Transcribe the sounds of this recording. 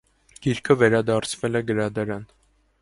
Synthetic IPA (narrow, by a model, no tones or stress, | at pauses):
ɡ̥iɾkʰəvɛɾɑd̪ɑɾt͡sʰvɛlɛɡəɾɑd̪ɑɾɑn